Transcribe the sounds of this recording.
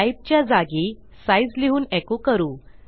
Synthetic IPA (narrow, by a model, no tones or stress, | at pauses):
aip̚t͡ɕjad͡zaɡi | said͡zliɦuːnɛkokəɾuː